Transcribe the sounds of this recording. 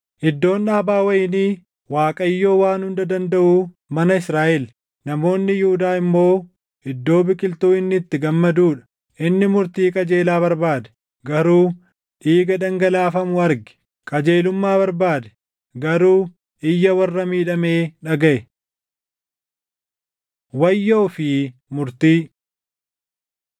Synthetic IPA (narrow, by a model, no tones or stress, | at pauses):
ʔɪd̪ːo̞ːnᶑaːbaːwɐjɪniː | waːkʼɐjːoːwaːnhʊnd̪ɐd̪ɐnd̪ɐʔuː | mɐnɐɪsɾaːʔɛl | nɐmo̞ːnːɪjʊhʊd̪aːɪmːo̞ː | ɪd̪ːo̞ːbɪkʼɪlt̪uːɪnːɪt̪ːɪɡɐmːɐd̪uːᶑɐ̥ | ʔɪnːɪmʊɾt̪iːkʼɐd͡ʒe̞ːlaːβɐɾbaːd̪ɛ̥ | ɡɐɾuː | ʔiːɡɐd̪ɐŋɡɐlaːfɐmʊɐɾɡɪ̥ | kʼɐd͡ʒe̞ːlʊmːaːβɐɾbaːd̪ɛ̥ | ɡɐɾuː | ʔɪjːɐwɐrːɐmiːᶑɐme̞ːᶑɐɡɐʔɛ | wɐjːo̞ːfɪmʊɾt̪iː